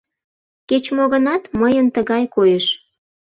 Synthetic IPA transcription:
ket͡ɕmoɣə̆nɑt̪məjənt̪əɣɑjkojəʃ

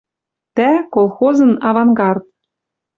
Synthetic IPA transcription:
t̪ækolˠxozɤ̆nɑvɑŋɡɑrt̪̚

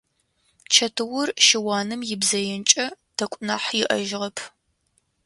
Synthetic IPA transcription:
t͡ʃʰɐtʰɨwʊrʃɪwaːnɨmjɪbzɐjɛnt͡ʃʼɐd̥ʰɐkʷʼnaːħjɪʔɐ̰ʒʁɐpʰ

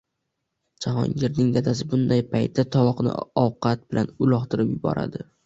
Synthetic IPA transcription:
d͡ʒahɒ̰ŋɡʲɪɾnɪŋjad̪as̬ɪbʊnd̪ajpʰajt̪ʰːat̪ʰɒvɒqnɪ̰ɒwqʰɑt̪̚bɪlʔanʊlˠɒχt̪ʰɪɾɪpjʊbɒ̰ɾʔa̰d̪ɪ

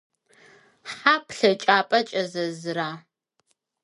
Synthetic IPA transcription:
ħaːpʰɬɐt͡ʃʼaːpʼɐt͡ʃʼɐzɐzɨraː

